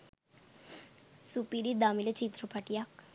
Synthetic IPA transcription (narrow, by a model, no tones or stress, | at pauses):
supiɾid̪amilet͡ɕit̪ɾupaʈijak